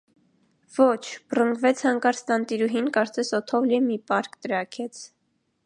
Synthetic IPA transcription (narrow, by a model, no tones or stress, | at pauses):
vɔt͡ʃʰb̥rəŋɡvɛt͡sʰhɑŋkɑɾst̪ɑnt̪iɾuɦinkɑɾt͡sɛsɔt̪ʰɔvlimipɑɾkt̪əɾɑkʰɛt͡sʰ